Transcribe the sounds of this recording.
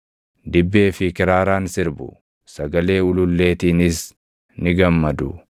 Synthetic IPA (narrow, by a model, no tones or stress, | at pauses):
d̪ɪbːe̞ːfɪkɪɾaːɾaːnsɪɾbʊ̰ | sɐɡɐle̞ːʊlʊlːe̞ːt̪iːnɪs | nɪɡɐmːɐd̪ʊ